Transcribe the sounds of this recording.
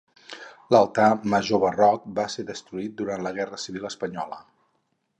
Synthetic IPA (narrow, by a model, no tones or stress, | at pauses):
ləlˠt̪aməʒoβərɔk̚baseðəst̪ɾuit̪̚d̪uɾant̪ləɣ̞ɛrəsiβiləspəɲɔlə